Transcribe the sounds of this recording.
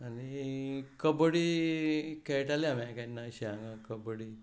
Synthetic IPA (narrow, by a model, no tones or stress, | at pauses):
anikəbəɽi | kɛʈaliamãkanːaɕaaŋɡakəbəɽi